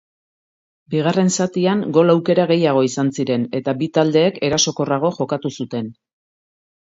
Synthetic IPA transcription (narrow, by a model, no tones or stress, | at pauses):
biɣ̞are̞nsat̪iaŋɡo̞lawke̞ɾaɣe̞jaɣ̞o̞isansiɾe̞ne̞t̪abit̪ald̪e̞ːke̞ɾaso̞ko̞raɣ̞o̞ʝo̞kat̪usut̪e̞n